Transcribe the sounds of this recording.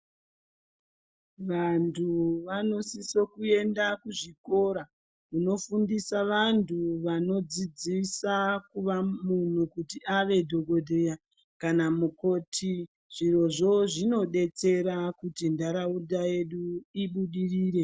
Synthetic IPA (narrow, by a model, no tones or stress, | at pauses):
ʋantʰuʋano̞siso̞kue̞ndakuʐiko̞ɾa | kuno̞fundisaʋantʰuʋano̞d͡zid͡zisakuʋamun̤ukutiʔaʋe̞dʱo̞ɡʱo̞dʱeja | kanamuko̞tʰi | ʐ̥iro̞ʐo̞ʐino̞ɗe̞t͡se̞ɾakutindaɾaudʱaje̞ɗuiɓuɗiriːɾe̞